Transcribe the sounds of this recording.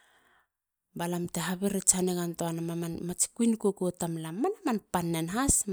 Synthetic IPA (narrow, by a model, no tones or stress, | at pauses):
balamteɦaβeɾet͡ʃaneɣantoanamamanmat͡ʃi̥kuinkokotamlamːanamanpanːenɦas